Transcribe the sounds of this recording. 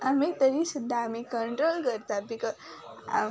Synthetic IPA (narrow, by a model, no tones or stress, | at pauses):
amit̪əɾisud̪ʱːaːmikəɳʈɾolkəɾt̪abikə | a̰